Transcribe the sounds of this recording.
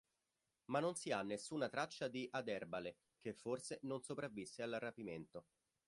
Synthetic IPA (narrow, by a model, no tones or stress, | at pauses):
manːonsianːesːuːnat̪ɾat͡ʃːad̪iʔad̪ɛrbale | kefːorsenonsopɾavːisːealrapiment̪o